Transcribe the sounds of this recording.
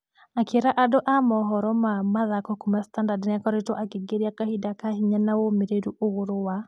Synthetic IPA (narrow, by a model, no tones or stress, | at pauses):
akeɾaʔadoʔamɔɦɔɾɔmamaðakɔkumastandadnɪakɔɾetoʔakeɡeɾjakahidakahiɲanaomeɾeɾuʔoɣoɾowa